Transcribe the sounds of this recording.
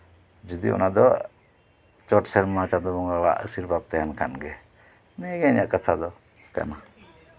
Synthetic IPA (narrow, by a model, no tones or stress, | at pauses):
d͡ʒəd̪ḭʊ̰nãd̪ɔ | t͡ʃɔʈsəɾmãt͡ʃad̪ɔmɔŋɡala̰ʔə̰siɾbab̚t̪eɦankʰa̰nɡe | neɡeɲaʔkət̪ʰad̪ɔ | kɛ̰na